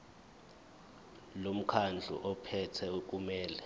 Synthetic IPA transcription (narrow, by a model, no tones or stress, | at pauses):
lom̩kʰand͡ɮʱṵʔɔpʰɛtʰɛk̬umɛːlɛ